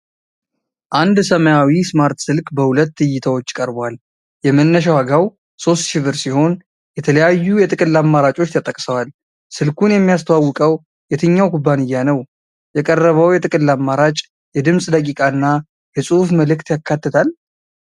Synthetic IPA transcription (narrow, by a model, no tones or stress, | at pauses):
ʔand̪səməjawismaɾt̪sɨlkʼbəhulət̪ːɨjːɪt̪ʰəwo̞t͡ʃːkʼəɾbwal | jɛmənːəʃ̬awaɡaw | so̞st̪ʃɨβɨɾsiho̞n | jɛt̪ʰələjajːujɛt̪ʼɨkʼɨlːamːaɾat͡ʃʼo̞t͡ʃːt̪ʰət̪ʼəkʼsəwal | sɨlkʰunjɛmːijast̪ʰəwawːɨkʼəw | jɛt̪ʰɨɲːawkʰubːanɨjːanəw | jɛkʼərːəβəwjɛt̪ʼɨkʼɨlːamːaɾat͡ʃʼ | jɛd̪ɨmsʼd̪əkʼikʼaɨnːa | jɨsʼufməlɨkt̪jakːat̪ːɨt̪ʰal